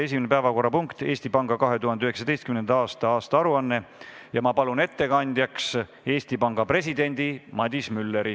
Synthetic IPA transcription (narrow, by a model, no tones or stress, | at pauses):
e̞s̬ʲiminepæevɑko̞rːɑpuŋkt̪e̞ːst̪ipɑŋɡɑkɑɦe̞t̪uhɦɑnd̪eyɦe̞ksɑd̪e̞jst̪kymnend̪ɑɑːst̪ɑɑːst̪ɑɑɾuɑnːe̞jɑmɑpɑlune̞t̪ːe̞kɑnʲd̪̥ʲjɑks | e̞ːst̪ipɑŋɡ̥ɑpre̞s̬ʲid̪̥e̞nʲd̪̥imɑd̪̥ʲismylːe̞ɾi